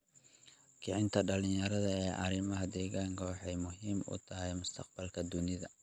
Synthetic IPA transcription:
kʰɪʕɪnt̪ʰɐɖɐlɪɲjɐɾɐðɐɛːʔɐɾɪmɐɦɐd̪ɛːɣaːŋkʰɐwɑħɑjmʊɦiːmʔʊ̰t̪ʰɐɦɛjmʊst̪ʰɐqbɐlkʰɐd̪ʊnɪðɐ

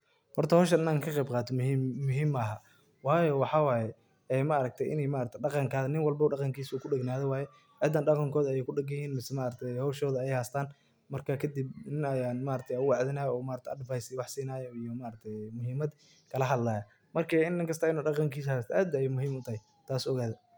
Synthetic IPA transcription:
hɔrt̪ʰɐhɔːʃɐnɪnaːŋkʰɐqɛjbqɑːt̪ʰɔmɦiːmːʊɦiːmːaɦɐ | wɑːjɔwɑħɑːwaːjɛ | ɛːmaɐɾɐɡ̚t̪ʰɛjʔɪ̰nɛjmaːɾɐk̚t̪ʰɛɑqɑŋkʰaːðɐnɪnwɑlbɐuːɖɑqɑŋkʰiːsuːkʰʊɖɛɡnaːðɛwɑːjɛ | ʕɪd̪ːaːnɖɑqɑŋkʰɔːðɐɛjɛjkʰʊɖɛɡɐjhiːnmɪsɛmaːɾɐt̪ʰɛjhɔwʃɔːðɐɛjhaːst̪ʰaːn | mɐrkʰakʰɐd̪ɪbnɪnɐjaːnmaːɾɐt̪ʰɛjaɣʊwɑʕðɪnaːjɔːmaːɾɐk̚t̪ʰɐdɪvajsɪwɑħsiːnaːjɔijɔmaːɾɐk̚t̪ʰɛjmʊɦiːmɐd̪ | kʰɐlɐɦɐd̪laːjɐ | mɐrkʰɐɪnːɪŋkʰɐst̪aːɪnuːɖɑqɑŋkʰiːshaːst̪ʰʔaːd̪jmʊɦiːmʊt̪ʰɐhɛj | t̪ʰaːsɔɣaːðɐ

